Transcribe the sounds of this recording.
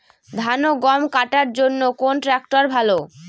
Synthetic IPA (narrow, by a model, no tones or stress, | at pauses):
d̪ʱanoɡɔmkaʈaɾd͡ʑonːokonʈɾɛk̚ʈoɾbʱalo